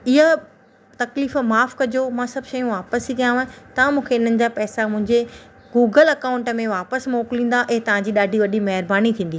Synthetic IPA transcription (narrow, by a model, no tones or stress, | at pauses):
ɪɦa | t̪ɐkliːfmaːfkɐd͡ʑomãːsɐbʱʃɐjũʋaːpəsikijãːɦt̪ɐãmũːkʰeɪn̤ənɪ̆d͡ʑaːpɛːsamʊ̃ɦɪ̃ɲd͡ʑe | ɡuːɡəlɐkaːʊ̃ɳʈəmẽʋaːpəsmoːklĩːn̆d̪aʔɐɦt̪ɐʋ̤ãɲd͡ʑiːɗaːɖʱiʋɐɗimɐɦɪɾbaːnit̪ʰĩːn̆d̪iː